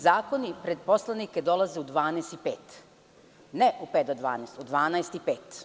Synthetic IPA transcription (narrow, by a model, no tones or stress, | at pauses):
zaːko̞nipɾed̪̚po̞slˠaniked̪o̞lˠazeud̪ʋaːnest̪ipeːt̪ | neʔupeːt̪d̪od̪ʋa̰ːneːst̪ud̪ʋaːnaest̪ipeːt̪